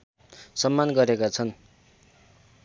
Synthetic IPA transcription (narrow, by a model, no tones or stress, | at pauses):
sʌmːanɡʌɾekat͡sʰʌn